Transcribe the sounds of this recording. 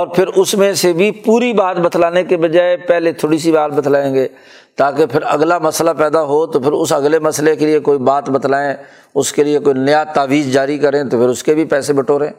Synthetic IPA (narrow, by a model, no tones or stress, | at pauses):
ɔːɾpʰɪɾʊsmẽsebʱipuːɾibaːt̪bət̪laːnekebəd͡ʒaːepɛːlet̪ʰoːɽisibaːt̪̚bət̪laːẽːŋɡeː | t̪aːkepʰɪɾɐ̰ɡlamɐslapɛːd̪aɦot̪opʰɪɾʊsɐɡlemɐslekelɪekoːibaːt̪bət̪laːẽ | ʊskelɪekoːinəjat̪aːʋiːzd͡ʒaːɾikəɾẽt̪oːpʰɪɾʊskebʱipɛːsebəʈoːɾẽː